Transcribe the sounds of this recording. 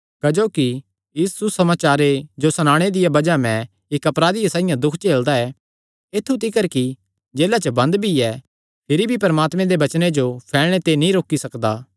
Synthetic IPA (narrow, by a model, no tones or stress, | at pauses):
kɐd͡ʒoːki | ɪsːʊsɐmaːt͡ʃaːɾed͡ʒosɐñaːɽ̃ed̪ɪjabɐd͡ʒamɛ̃ | ɪkɐpɾaːd̪ɪjasaːɪjãd̪ʊkʰt͡ʃeːld̪aɛ | et̪ʰːut̪ɪkəɾki | d͡ʒeːlat͡ʃəbɐ̃nd̪bʱiɛ | pʰɪɾibʱipɐɾəmaːt̪mɛ̃d̪ebɐt͡ʃned͡ʒopʰɛːɭɽ̃et̪enĩɾoːkːisɐkd̪aː